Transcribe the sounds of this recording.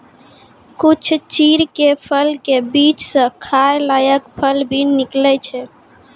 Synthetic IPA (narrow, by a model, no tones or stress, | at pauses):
kut͡ʃʰt͡ʃiɾkepʰəlkebit͡ʃsə̃kʰajlajəkpʰəlbʱiniklɛt͡ʃʰɛ